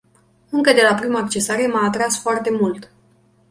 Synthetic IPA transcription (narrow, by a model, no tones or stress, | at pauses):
ɨŋkəd̪e̞lapɾimaːk̚t͡ʃe̞saɾe̞maːt̪ɾasfoart̪e̞mult̪